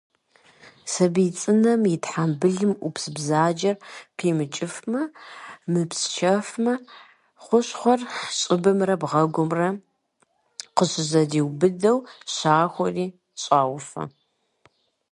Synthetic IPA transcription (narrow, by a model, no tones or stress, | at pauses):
sɐbiːt͡sʼɨnɐmjɪtħambɨɮɨmʔupsɨbzaːd͡ʒɐrqʰiːmɨt͡ʃʼɪfmɐmɨpst͡ʃʰɐfmɐ | χʷʊɕχʷɔrħɕʼɪbɨmrɐbʁɐɡʷʊmrɐ | qəɕɪzɐdiːwbɨdɐwɕaːxʷɔriː | ɕʼaːwfɐ̰